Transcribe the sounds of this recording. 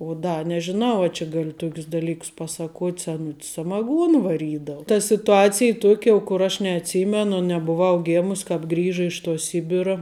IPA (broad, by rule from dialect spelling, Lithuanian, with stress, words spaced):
oː ˈdɐ nʲɛʒʲɪˈnɐʊ ɐ t͡ʃʲɪ ˈɡɑːlʲɪ ˈtoːkʲʊs dɐˈlʲiːkʊs ˈpɑːsɐˌkuɔtʲ sʲɛˈnʊtʲs sɐmɐˈɡuɔn ʋɐˈrʲiːdɐʊ tɐ sʲɪtʊˈɑːt͡sʲɪj ˈtuɔkʲ jɛʊ kʊr ˈɐʃ nʲɛɐtʲˈsʲiːmʲɛnʊ nʲɛbʊˈʋɐʊ ˈɡʲeːmʊs kɑːp ˈɡrʲiːʒɐ ɪʃ tuɔ ˈsʲɪbʲɪrɐ